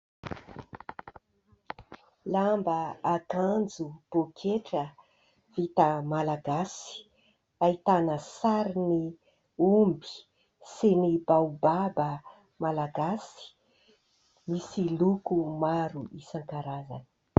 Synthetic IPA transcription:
lambəakand͡zub̥okʰeʈ͡ʂə | v̥it̪əmalaɡasi̥ | ait̪anəsaɾini | umbi̥ | senibawbabə | malaɡasi̥ | misilukumaɾuisaŋkaɾaza̰nə̥

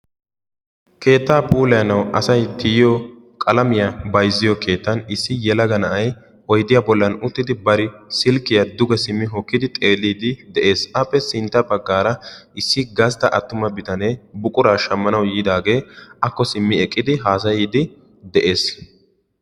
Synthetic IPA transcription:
ke̞ːt̪ːaːpʰʼuːlɐjɐnɐwʔɐsɐjt̪ɪjɪjɔ | kʼɐlɐmɪjɐbɐjzːɪjɔkʰe̞ːt̪ːɐnɪsːɪjɛlɐɡɐnɐʔɐj | ɔjd̪ɪjaːbɔlːɐnʊt̪ːɪd̪ɪbɐɾɪsɪlkːɪjɐd̪ʊɡɛsɪmːɪɦɔkːɪd̪ɪt̪ʼe̞ːlːiːd̪ɪd̪ɛʔe̞ːsɐpːɛsɪnt̪ːɐbɐɡːaːɾɐɪsːɪɡɐs̬t̪ɐʔɐt̪ːʊmɐbɪt̪ɐneːbʊkʼʊɾaːʃɐmːɐnɐwjiːd̪aːɡe̞ːɐkːɔsɪmːɪɛkʼːɪd̪ɪɦaːs̬ɐjiːd̪ɪ | d̪ɛʔe̞ːs

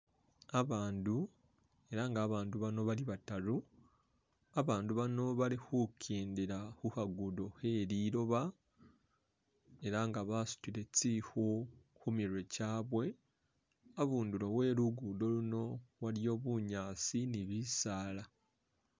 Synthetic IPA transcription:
aβaːndu | e̞ɾaŋɡaːβaːnduβano̞βaliβataɾu | aβaːnduβano̞βalixukʰiːndiɾaxuhaɡudo̞he̞ɾiːɾo̞βa | e̞ɾaŋɡaβasu̥tiɾe̞t͡siho | xumiɾwe̞caːβwe̞ | aβuːnduɾo̞we̞ːɾuɡudo̞luno̞waljo̞ːβuɲaːsiniβisaːla

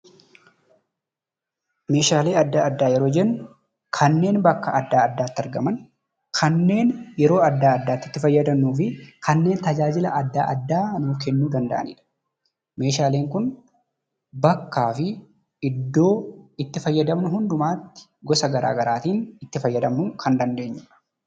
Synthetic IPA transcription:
me̞ːʃaːle̞ːɐd̪ːaːɐd̪ːaːjɛɾo̞ːd͡ʒɛnːʊ | kʰɐnːe̞ːnbɐkːɐʔɐd̪ːaːɐd̪ːaːt̪ːɐɾɡɐmɐn | kʰɐnːe̞ːnjɛɾo̞ːɐd̪ːaːɐd̪ːaːt̪ːɪt̪ːɪfɐjːɐd̪ɐmːuːfɪkʰɐnːe̞ːnt̪ɐd͡ʒaːd͡ʒɪlɐʔɐd̪ːa̰ːʔɐd̪ːaːnuːfkɛnːuːd̪ɐnd̪ɐ̰ʔɐ̰nḭːᶑɐ̥ | me̞ːʃaːleːŋkʊn | bɐkːaːfɪ | ɪd̪ːo̞ːɪt̪ːɪfɐjːɐd̪ɐmnʊhʊnd̪ʊmaːt̪ːɪ̥ | ɡɔsɐɡɐɾa̰ːɡɐɾaːt̪iːnɪt̪ːɪfɐjːɐd̪ɐmnʊkʰɐnd̪ɐnd̪e̞ːɲːɪɐ̥

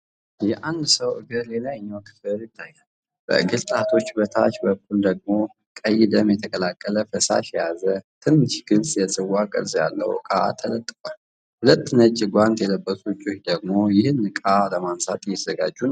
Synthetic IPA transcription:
jɛʔand̪səwʔɨɡɨɾlelajɪɲːawkʰɨ̥fɨɾjɪt̪ʰːajːalː | b̥ə̰ʔɨɡɨlt̪ʼaht̪ʰo̞t͡ʃːbət̪ʰat͡ʃbəkːuld̪əɡ̚mo̞ | kʼəjːɪd̪əmjɛt̪ʰəkʼəlakʼːələfəsa̰ʃjɛjazət̪ʰɨnːɨʃɡ̥ɨlsʼjɛsʼɨwakʼə̰ɾzʼja̰lːə̰w̰kʼat̪ʰələt̪ʼːɨkʼal | hʊlət̪ʰːɨnət͡ʃʼːɪɡʷant̪jɛləbːəsʼut͡ʃʼːot͡ʃːd̪əɡ̚mo̞jɪhɨnːɨkʼaləmansat̪ʼjɛzəɡad͡ʒːun

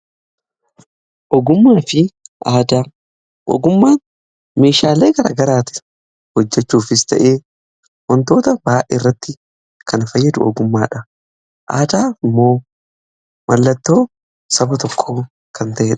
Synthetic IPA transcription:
ʔɔɡʊmːaːfɪʔaːd̪aː | ʔɔ̰ɡʊmːaːn | me̞ːʃaːleːɡɐɾa̰ːɡɐɾaːt̪ɪ̥ | hɔd͡ʒːɛt͡ʃːuːfɪst̪ɐ̰ʔeː | wɔnt̪o̞ːt̪ɐbaːʔɛrːɐt̪ːɪ | kʰɐnfɐjːɐd̪ʊ̰ʔɔ̰ɡʊmːaːᶑɐ | ʔa̰ːd̪aːɪmːo̞ː | mɐlːɐt̪ːo̞ː | sɐbɐt̪ɔkʰːoː | kʰɐnt̪ɐʔeːᶑɐ̥

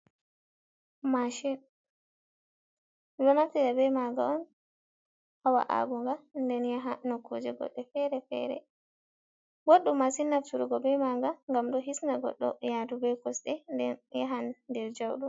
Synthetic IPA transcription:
maʃin | lɔnaftɛdabɛjmaɡa̰ɔn | hawa̰ʔa̰ɡuŋɡandɛnjaɦanɔkʰːud͡ʒɛɡɔ̰ɗːɛfɛɾɛfɛ̰ɾɛ̰ | ɡoɗːumːasinːaftuɾuɡɔbɛmaɡaŋɡamɗɔɦisnaɡɔ̰ɗːɔ̰jadubɛkɔsɗɛjaɦanːdɛɾd͡ʒawɗum

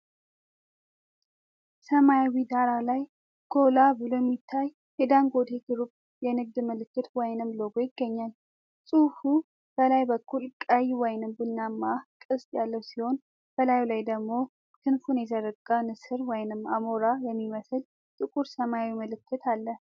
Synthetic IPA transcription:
səmajawid̪aɾalaj | ɡ̥o̞labɨlojɛmːit̪ʰːaj | jɛd̪aŋɡo̞d̪eɡɨɾup | jɛnɨɡ̚d̪məlɨkːɨt̪wɔjnɨmloɡo̞jɪɡːəɲːal | sʼufu | b̥əlajbəkʰːulkʼajwɔjnɨmbɨlːamːakʼɨst̪ʼjalːəwsiho̞n | b̥əlajlajd̪əɡmo̞ | k̪ʰɨnfunjɛzəɾɨkʼːanɨsɨɾwɔjnɨmamoɾajɛmːiməsɨl | t̪ʼɨkʼuɾsəmaawiməlɨkʰːɨt̪ʰalːə

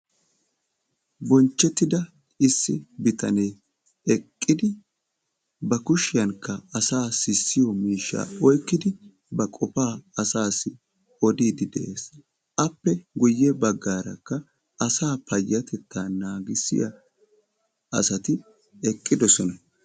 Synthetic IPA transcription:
bɔnt͡ʃːɛt̪ːɪd̪ɐ | ɪsːɪ̰bɪt̪ɐneː | ɛkʼːɪd̪ɪ | bɐkʊʃɪjɐnkːɐɐsaːsɪsːɪjɔmiːʃːa̰ːɔjkːɪd̪ɪ | bɐkʼɔfaːɐsaːsːɪ | ɔd̪iːd̪ɪd̪ɛʔe̞ːs | ʔɐpːɛɡʊjːɛbɐɡːaːɾɐ̰kːɐ | ɐsaːpɐjːɐt̪ɛt̪ːaːnaːɡɪsːɪ̰jɐ | ɐ̰sɐt̪ɪ | ɛkʼːɪd̪ɔsɔnɐ

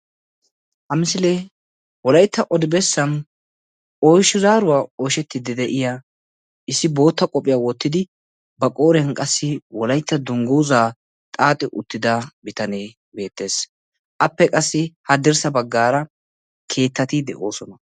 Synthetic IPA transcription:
hɐmɪsɪle | wɔlɐjt̪ːɐʔɔd̪ɪbɛsːɐn | ʔojʃːɪzaːɾʊwaːojʃɛt̪ːɪd̪ɪd̪ɛʔɪja | ʔɪsːɪbo̞ːt̪ːɐkʼɔpʼːɪjaːwɔt̪ːɪd̪ɪ | bɐkʼo̞ːɾɪjɐnkʼɐsːɪwɔlɐjt̪ːɐd̪ʊŋɡuwzaː | t̪ʼaːt̪ʼɪʔʊt̪ːɪd̪ɐbɪt̪ɐneː | be̞ːt̪ːe̞ːs | ʔɐpːɛkʼɐsːɪhɐd̪ɪɾsɐbɐɡːaːɾɐ | kʰe̞ːt̪ːɐt̪ɪd̪ɛ̰ʔo̞ːsɔnɐ

